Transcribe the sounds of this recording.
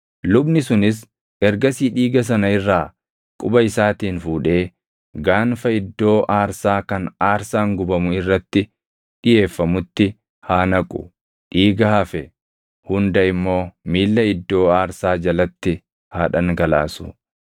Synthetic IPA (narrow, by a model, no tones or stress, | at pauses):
lʊbnɪsʊnɪs̬ | ɛɾɡɐsiːᶑiːɡɐs̬ɐnɐɪrːaː | kʼʊbɐɪsaːt̪iːnfuːᶑe̞ː | ɡaːnfɐɪd̪ːo̞ːʔaːɾsaːkɐnaːɾsaːŋɡʊbɐmʊɪrːɐt̪ːɪ | ᶑɪje̞ːfːɐmʊt̪ːɪ | haːnɐkʼʊ̥̰ | ᶑiːɡɐhɐfɛ | hʊnd̪ɐɪmːo̞ːmiːlːɐɪd̪ːo̞ːaːɾsaːd͡ʒɐlɐt̪ːɪ | haːᶑɐŋɡɐla̰ːsʊ̰